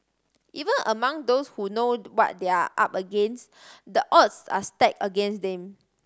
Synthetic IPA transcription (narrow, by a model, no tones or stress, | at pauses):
ʔivə̃nʔəmãŋdoshunowɔ̰t̚deaʔa̰pəɡɛ̃ns | dəʔɔtsa̰stɛkəɡɛ̃nsdɛ̃m